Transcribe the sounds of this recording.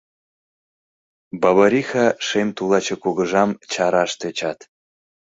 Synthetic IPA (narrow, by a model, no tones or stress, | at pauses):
bɑβaɾʲixɑʃemt̪ulˠɑt͡ɕekuɣə̆ʒɑmt͡ɕɑɾɑʃt̪et͡ɕɑt̪